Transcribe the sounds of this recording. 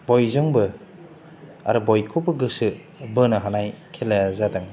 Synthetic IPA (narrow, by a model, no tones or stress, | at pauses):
bɔjzɔŋbɯ | a̰ɾɯbɔjkʰubɯɡɯsɯ | bɯnɯɦanajkʰelajazadaŋ